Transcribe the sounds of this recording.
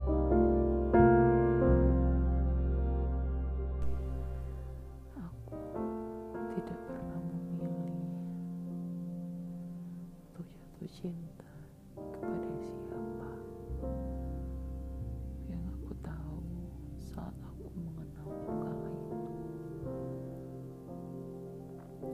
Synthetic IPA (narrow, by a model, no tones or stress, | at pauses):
aku | t̪idaʔpərnaməmili | at̪ohd͡ʒat̪uht͡ʃint̪a | kə̥padaaŋsiapa | jaŋakut̪au | saa̰t̪akuməŋənalkukalait̪u